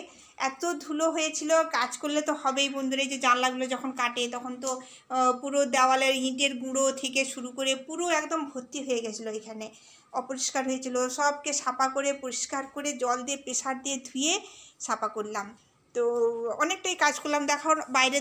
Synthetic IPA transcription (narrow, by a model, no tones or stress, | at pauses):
ɛt̪od̪ʱuloɦoet͡ɕʰilokad͡ʑkolːet̪ohɔbejbond̪uɾejd͡ʑed͡ʑanlaɡlod͡ʑɔkʰonkaʈet̪ɔkʰont̪o | puɾod̪aoaleɾĩʈeɾɡuɽot̪ʰekeʃuɾukoɾepuɾoɛkd̪ombʱot̪ːiɦoeɡɛt͡ɕʰiloekʰane | ɔpoɾiʃkaɾɦojet͡ɕʰiloʃɔbkeʃapakoɾepoɾiʃkaɾkoɾed͡ʑɔld̪epeʃaɾd̪ied̪ʱujeʃapakoɾlam | t̪oɔnek̚ʈajkad͡ʑkʰollamd̪ɛkʰonbajɾe